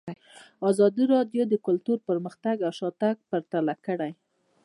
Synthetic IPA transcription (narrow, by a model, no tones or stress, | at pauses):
ɑzɑd̪iɾɑd̪jod̪əkʊlt̪uɾpəɾməxt̪aɡawʃɑt̪aɡ̚paɾt̪alakəɽaj